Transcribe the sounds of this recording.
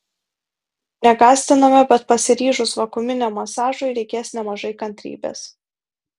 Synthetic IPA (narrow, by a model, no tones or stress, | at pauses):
nʲɛɡɑːsʲt̪ʲɪnɐmʲɛbʲɛt̪̚pɐsʲɪɾʲiːʒʊsʋɐkʊmʲɪnʲɛmːɐsɑːʒoːɪɾʲɛɪkʲeːsnʲɛmɐʒɐɪkɐnʲt̪ʲɾʲḭːbʲḛːs